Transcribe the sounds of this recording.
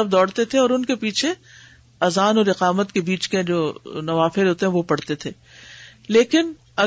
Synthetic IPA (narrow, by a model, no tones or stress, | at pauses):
ɐb̚d̪ɔːɽt̪et̪ʰeɔːɾʊnkepiːt͡ʃʰe | ɐzaːnɔːɾɪqaːmət̪kebiːt͡ʃked͡ʒoːnɐʋaːfɪɾɦoːt̪eɦɛ̃ʋopɐɽt̪et̪ʰeː | leːkɪn | ɐ